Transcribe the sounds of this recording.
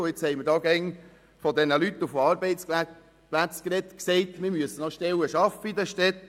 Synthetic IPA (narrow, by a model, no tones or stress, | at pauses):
et͡shɛɪməɾdɑːɡ̥ɛŋ | fɔd̪ɛnəlyt̪ːufɑːɾbɛɪs | plæt͡skɾɛt̪ksɛɪt̪mɪɾmyəsənɔʃtɛwəʃɑfəid̪əʃtɛt̪